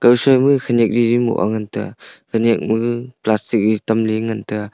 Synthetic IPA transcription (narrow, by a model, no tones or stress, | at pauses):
kawsɔjmɯkʰanek̚ɾiɾimɔ̰ʔa̰ŋantɯkʰanek̚mɯplastik̚ɾitamliŋantɯ